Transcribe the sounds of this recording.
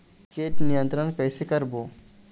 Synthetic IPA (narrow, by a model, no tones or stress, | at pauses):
keːʈnijə̃nt̪ɾənpɛːsekɐɾboː